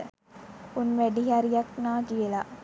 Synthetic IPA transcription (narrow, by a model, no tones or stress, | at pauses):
unʋæɖiɦaɾijaknaːkijəla